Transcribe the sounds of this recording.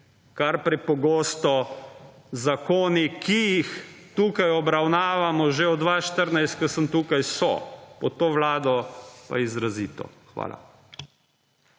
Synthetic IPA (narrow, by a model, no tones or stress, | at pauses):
kaɾpɾɛpɔɡoːst̪ɔ | zakoːnikʰijixt̪uːkajɔbɾawnaːʋamɔʒeɔd̪ʋaːʃt̪əɾnajst̪̚kəsənt̪uːkajsɔ̰pɔt̪oːʋlaːd̪ɔpa̰izɾaziːt̪ɔ̰ | xʋa̰ːlʔa̰